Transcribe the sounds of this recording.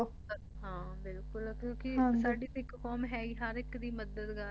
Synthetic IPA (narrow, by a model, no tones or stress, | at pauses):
ɦãːbɪlkʊlkjõːkɪsaːɖiːt̪ɪkkɔːmɦɛːɡiɦəɾɪkd̪iːməd̪əd̪ɡa